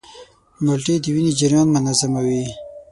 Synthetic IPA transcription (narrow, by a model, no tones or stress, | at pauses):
mʊlʈed̪əwinid͡ʒaɾjɑnmʊnazamawi